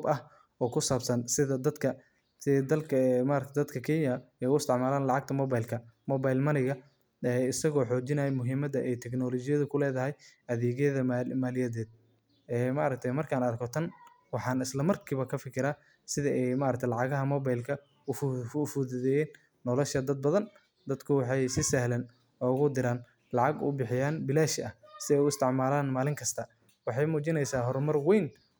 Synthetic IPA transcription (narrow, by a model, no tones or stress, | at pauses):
bɐh | ɔːkʰʊsaːbsɐnsɪðɐd̪ɐd̪kʰɐ | d̪ɐlkʰɐmaːɾɐkt̪ʰd̪ɐd̪kʰɐkʰɛːnjɐɛjʊɪst̪ɪʕmaːlaːnlɑʕɑɡ̚t̪ʰɐmɔβajlkʰɐmɔβajlmɐnɪɣɐ | ɛɪsɐɣɔːħɔːd͡ʒɪnɐjɛmʊɦiːmɐðɐʔɛjt̪ʰɛknɔlɔt͡ʃɪjɐðʊkʰʊlɛːðɐɦɛjʔɐðɛːɣɛðɐmaːlɪjɐðɛːd̪̥̚ | ɛːmaɾɐk̚t̪ʰɛjmɐrkʰaːnɐɾkʰɔt̪ʰɐn | wɑħɑːnɪslɐmɐrkʰiːβɐkʰɐfɪkʰɪɾa | sɪðɐʔɛjmaːɾɐkt̪ʰɐjlɑʕɑɣɐɦɐmɔːβajlkʰɐ | ʊffʊðɛðɛjɛːnː | ɔlɔʃɐd̪ɐd̪̚bɐðɐn | d̪ɐd̪kʰʊwɑħɑjsɪsɐhlɐn | ɔːɣʊd̪ɪɾaːn | lɑʕɑɡʊ̰bɪħɪjaːnbɪlaːʃɪʔɐhsɪðɛjʊɪst̪ʰɪʕmaːlaːnmaːlɪŋkʰɐst̪ʰɐ | wɑħɑjmuːt͡ʃɪnɛjsaːɦɔɾmɐrwɛjn